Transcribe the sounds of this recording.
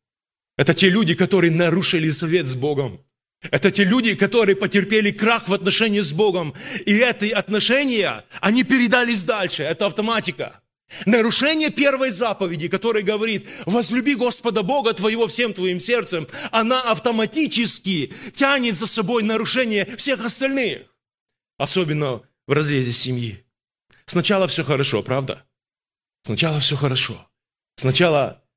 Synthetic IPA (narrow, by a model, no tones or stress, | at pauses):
ɛt̪ətʲelʲudʲɪkɐt̪o̞ɾɨjənɐɾuʂɨlʲɪsɐvʲe̞t̪zbo̞ɡəm | ɛt̪ətʲelʲudʲɪkɐt̪o̞ɾɨjəpətʲɪrpʲelʲɪkraxvɐt̪nɐʂɛnʲɪjɪzbo̞ɡəmiɛt̪əɐt̪nɐʂɛnʲɪjə̰ɐnʲipʲɪɾʲɪd̪alʲɪs̬ʲd̪alʲʂɨɛt̪əɐft̪ɐmatʲɪkə̰ | nəɾʊʂɛnʲɪjəpʲe̞rvəjzapəvʲɪdʲɪkɐt̪o̞ɾɨjəɡəvɐɾʲit̪̚vəzlʲʊbʲiɡo̞spəd̪əbo̞ɡət̪vɐjɪvo̞fsʲemt̪vɐimsʲe̞rt̪sɨmɐnaɐft̪əmɐtʲit͡ɕɪskʲɪtʲanʲɪt̪zɐsɐbo̞jnəɾʊʂɛnʲɪjəfsʲe̞xɐst̪ɐlʲnɨx | ɐso̞bʲɪnːə | vrɐzɾʲezʲɪsʲɪmji | snɐt͡ɕalˠəfsʲoxəɾɐʂo̞̰pɾavd̪ə̰ | snɐt͡ɕalˠəfsʲoxəɾɐʂo̰ | snɐt͡ɕalˠə